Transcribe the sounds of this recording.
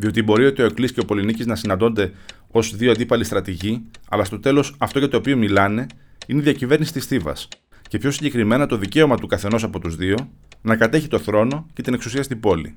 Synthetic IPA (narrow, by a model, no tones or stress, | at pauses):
ðio̞t̪ibo̞ɾiot̪eo̞eklisce̞opo̞liniciznɐsinɐnd̪o̞nd̪e̞ | o̞sðioɐnd̪ipɐlist̪ɾɐt̪iʝiɐ̰lɐst̪o̞t̪e̞lo̞sɐft̪ocet̪o̞ːpio̞milɐne̞ | ineiðiɐcive̞ɾnisi̥t̪isθivɐ̰s | ce̞pço̞siɲɟe̞kɾime̞nɐt̪o̞ðice̞o̞mɐt̪ukɐθe̞no̞sɐpo̞t̪uzðio̞ | nɐkɐt̪e̞çit̪o̞θɾo̞no̞ce̞t̪ineksusiɐst̪ibo̞lḭ